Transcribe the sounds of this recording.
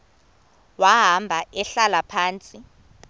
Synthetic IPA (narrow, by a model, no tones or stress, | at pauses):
waɦambʱaʔɛɬalapʰaːnt͡sʼi